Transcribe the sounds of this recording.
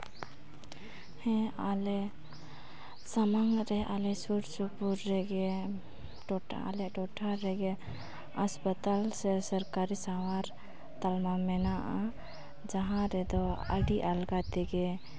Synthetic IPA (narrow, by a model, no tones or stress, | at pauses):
hɛ̃ale | samaŋɾɛʔalesuɾsupuɾːeɡe | ʈoʈʰ | a̰leʈɔʈʰaɾɛɡe | əspət̪alsesəɾkaɾisamaɾ | t̪almamɛnaʔa | d͡ʒaɦãɾɛd̪ɔa̰ɖiʔalɡat̪eɡe